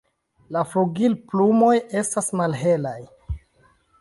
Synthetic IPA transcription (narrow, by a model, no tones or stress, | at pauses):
lafluɡilplumo̞je̞stasmalɦe̞laj